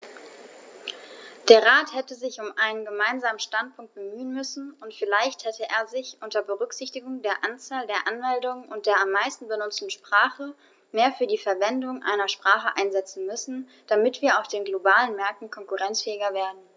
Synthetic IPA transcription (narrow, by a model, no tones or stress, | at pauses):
d̥eːɐʁaːthɛtəzɪçʊmʔaɪnənɡəmaɪnzaːmən̩ʃtantpʰʊŋkt̚b̥əmyːənmʏsn̩ʊntfɪlaɪçthɛtʰəʔḛːɐzɪçʔʊntɐbəʁʏkz̥ɪçtɪɡʊŋdeːɐʔant͡saːldeːɐʔanmɛldʊŋənʊnt̚d̥eːɐamːaɪstn̩bənʊt͡stn̩ʃpʁ̥aːχə | meːɐfyːɐdiːfɛɐvɛndʊŋʔa̰ɪnɐʃpʁ̥aːχəʔa̰ɪnzɛt͡sn̩mʏsn̩ | d̥amɪtv̥iːɐaʊfd̥eːnɡlobaːlənmɛɐk̚tn̩kʰɔŋkuʁɛnt͡sfɛːɪɡɐveːɐdn̩